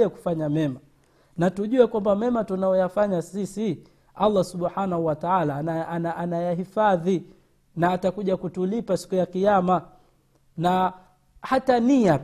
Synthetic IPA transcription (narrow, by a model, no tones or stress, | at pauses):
ɛku̥faɲamɛma | natuʄuɛkwambamɛmatunajɔjafaɲasisi | alˤːasuɓħanahuwataalanaanaʔanajaɦifaði | naːtakuʄakutulipasi̥kujakijama | na | hatania